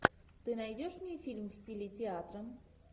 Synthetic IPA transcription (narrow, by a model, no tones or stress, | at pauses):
t̪ɨnajdʲoʂmʲnʲifʲilʲmvsʲtʲilʲitʲɪat̪ɾəm